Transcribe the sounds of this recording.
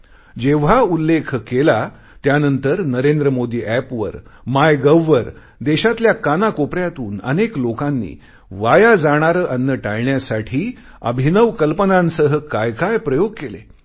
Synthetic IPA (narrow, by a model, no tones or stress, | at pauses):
d͡ʑeʋ̤aulːekʰkela | t̪janənt̪əɾnəɾend̪ɾəmod̪iːʔæpʋə̰ɾmajɡəʋːəɾ | d̪eɕat̪ljakanakopɾjat̪uːnə̰neklokanːḭː | ʋajad͡zaɽ̃aɾəːʔənːəʈajɳjasaʈʰiː | ə̰bʱinəʋkəlpənãnsəɦəkajkajpɾəjoɡkelḛ